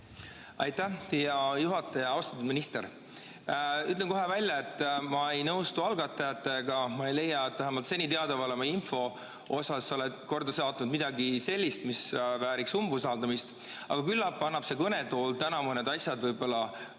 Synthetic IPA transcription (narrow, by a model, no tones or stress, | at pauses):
ɑjt̪ːæht̪ijɑjuɦɑt̪ːˑɑjɑɑwst̪ɑ̥t̪ːud̪̥minist̪e̞̰ɾ | yt̪lenkoɦe̞vælʲjɑe̞t̪ˑːmɑe̞jnɤwst̪uɑlɡ̥ɑt̪ːˑɑjɑt̪ːˑe̞ɡ̥ɑmɑe̞jle̞jːɑet̪ːvæɦæmɑlt̪se̞nʲit̪eɑd̪ɑvɑlemɑinfo̞ | o̞sɑsːo̞led̪̥̚ko̞rd̪ɑsɑːt̪nud̪mid̪̥ɑɡise̞lʲːist̪misvæːɾiksumbusɑːld̪ɑmist̪ | ɑ̰ɡ̥ɑkylːɑpːɑnːɑb̥se̞kɤnet̪o̞ːlt̪ænɑmuned̪ɑsʲjɑd̪vɤjbo̞lːɑ